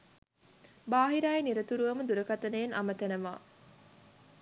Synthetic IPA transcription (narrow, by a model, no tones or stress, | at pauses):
baːɦiɾajeniɾət̪uɾuʋəməd̪uɾəkat̪ənəjenamət̪ænəʋa̰ː